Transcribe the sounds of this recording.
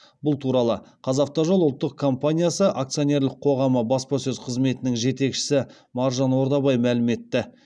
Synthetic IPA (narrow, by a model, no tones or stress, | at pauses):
bʊlˠt̪ʰuɾɑlˠəqʰɑzɑf̚t̪ɑʒolˠʊlˠt̪ːəq̚kʰo̞mpanʲijasəʔakt̪sɨjo̞ne̞ɾlˠɪqqʰo̞ʁɑməbɑspɑsɵzqʰəzme̞t̪ɪnɪŋʒe̞t̪e̞kʃɪ̥sɪ | mɑɾʒɑnwo̞ɾd̪ɑbɑjmælɪme̞t̪ːɪ